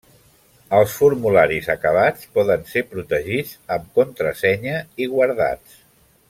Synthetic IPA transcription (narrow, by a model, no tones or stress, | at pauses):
əlˠsfuɾmulaɾizəkəβ̞at͡spɔðənsepɾut̪əʒid͡zəmkunt̪ɾə̰sɛɲəiɣwəɾða̰t͡s